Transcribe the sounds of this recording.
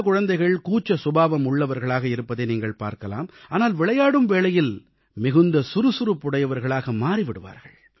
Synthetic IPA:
kʊɻɐnd̪ɐɪɣɐɭkuːt͡ʃːɐsʊbaːʋɐmʊɭːɐʋɐɾɣɐɭaːɣɐɪɾɯpːɐðeːniːŋɡɐɭpa̰ːɾkɐla̰ːmaːnaːlʋɪɭɐjaːɽɯmʋeːɭɐjɪl | mɪɣɯnd̪ɐsʊɾɯsʊɾɯpːʊɽɐjɐʋɐɾɣɐɭaːɣɐmaːɾiʋɪɽɯʋa̰ːɾɣɐɭ

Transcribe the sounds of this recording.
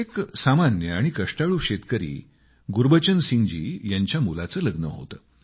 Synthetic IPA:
eksamanjəaɽ̃ikəʂʈaɭuːɕet̪kəɾḭː | ɡuɾbət͡ɕənsiŋɡd͡ʑḭːjaɲt͡ɕjamulat͡səːləɡnə̰ɦo̰t̪əː

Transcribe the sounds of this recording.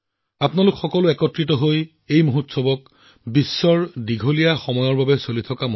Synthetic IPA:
apnalʊkxɔkɔlʊɛkɔtɹitɔɦoj | ejmoɦutsɔbɔk̚ | bisːɔɹdiɡʱolijaxɔmɔjɔɹbabɛsolitʰɔkam

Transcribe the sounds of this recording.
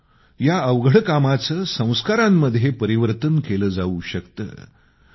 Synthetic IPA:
jaəʋɡɽəkamat͡səːsə̃w̃skaɾamːəd̪ʱjepəɾiʋəɾt̪ənkeləːd͡zauɕəkt̪ə̰

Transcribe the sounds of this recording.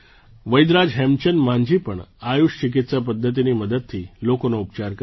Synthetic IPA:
ʋəjd̪ɾad͡zɦemt͡ɕənmaɲd͡ʑiːpəɳajuʂt͡ɕik̬it̪səpəd̪ʱːət̪̬iniːməd̪ət̪̚t̪ʰːiːlokonaup̚t͡ɕaɾk

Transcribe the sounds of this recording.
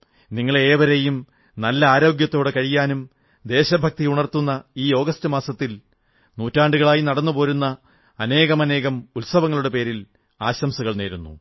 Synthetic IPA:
niŋːɐɭe̞ːʋɐɾe̞jum | nɐlːɐaːɾo̞ːɡjɐt̪ːo̞ːɽe̞kɐɻijːaːnum | d̪e̞ːɕɐbʱɐk̚t̪iuɳɐrt̪unːɐiːo̞ːɡɐstɨmaːsɐt̪ːil | nuːtːaːɳɖuɣɐɭaːjinɐɽɐnːupo̞ːɾunːɐː | ne̞ːɣɐmɐne̞ːɣɐmulsɐʋɐŋːɐɭuɽe̞pe̞ːɾil | aːɕɐmsuɣɐɭneːɾunːṵ

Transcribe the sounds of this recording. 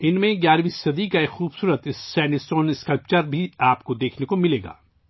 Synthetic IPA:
ɪnmẽɡjaːɾʋiːsɐd̪ikaekxuːbsuːɾət̪ɪsːɛ̃ːɳɖisoːnɪskɐlp̚t͡ʃəɾbʱiaːpkod̪eːkʰnekomɪleːɡa̰ː

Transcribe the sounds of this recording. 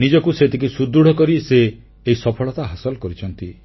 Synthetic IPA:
nid͡ʒɔkuset̪ʰikusud̪ːɾuɽ̤ɔkɔɾiseː | isɔpʰɔɭɔt̪aɦasɔlkɔɾit͡ʃʰɔnt̪i

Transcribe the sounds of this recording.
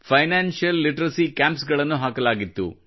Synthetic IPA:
pʰɐjnaːnʃjɐlːiʈɐɾɐsikaːmpsɡɐɭɐnːuɦaːkɐlaːɡit̪ːṵ

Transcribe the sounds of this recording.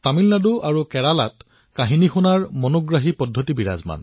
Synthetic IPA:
tamilnaduʔaɹukɛɹalat | kaɦinixunaɹmɔnɔɡɹaɦipɔdʱːotibiɹa̰zma̰n

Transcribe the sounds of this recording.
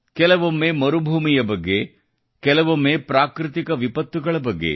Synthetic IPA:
kɛlɐʋomːeːmɐɾubʱuːmijɐbɐɡːe̞ | kɛlɐʋomːeːpɾaːkɾɪt̪ikɐʋipɐt̪ːuɡɐɭɐbɐɡːe̞̰

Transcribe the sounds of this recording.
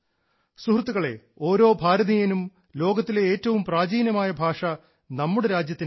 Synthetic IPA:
suhrt̪ːuɣɐɭe̞̰ | o̞ːɾo̞ːbʱaːɾɐðijɐnum | lo̞ːɡɐt̪ːileeːtːɐʋumpraːd͡ʑiːnjɐmaːjɐbʱaːʂɐ | nɐmːuɽe̞ɾaːd͡ʑjɐt̪ːin

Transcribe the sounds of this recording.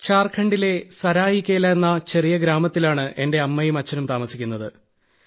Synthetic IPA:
t͡ɕaːrkʰɐɳɖile̞sɐɾaːjikʲːeːlːɐenːɐt͡ɕe̞rijɐɡɾaːmɐt̪ːilaːɳɨʔe̞nde̞ɐmːɐjumɐt͡ɕːɐnumt̪aːmɐsikʲːunːɐðɨ

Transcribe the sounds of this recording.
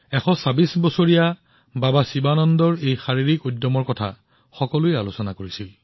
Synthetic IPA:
ɛxɔsabisbɔsoɹija | babasibanɔndɔɹejxaɹiɹikodːɔmɔɹkɔtʰa̰ | xɔkɔlʊɛalʊsɔnakoɹisil

